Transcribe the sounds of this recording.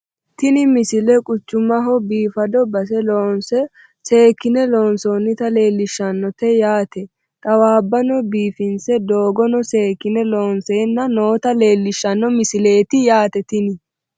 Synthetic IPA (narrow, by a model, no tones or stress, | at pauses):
t̪ɪnɪmɪsɪlɛkʼʊt͡ʃːʊmɐɦɔbiːfɐd̪ɔbɐs̬ɛloːnsɛ | se̞ːkːɪnɛlo̞ːnsoːnːɪt̪ɐle̞ːlːɪʃːɐnːɔt̪ɛjaːt̪ɛ | t̪ʼɐwaːbːɐnɔbiːfɪnsɛd̪oːɡɔnɔseːkːɪnɛloːnseːnːɐnoːt̪ɐleːlːɪʃːɐnːɔmɪsɪleːt̪ɪjaːt̪ɛt̪ɪnɪ